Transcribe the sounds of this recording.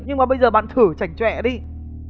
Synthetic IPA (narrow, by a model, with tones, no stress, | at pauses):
ɲɨ˧ŋmaː˨˩ɓə˧jzəː˨˩ɓa̰ː˧˨nt̪ʰɨ˧˩t͡ɕa˧˩jŋ̟t͡ɕwɛ̰˧˨ɗi˧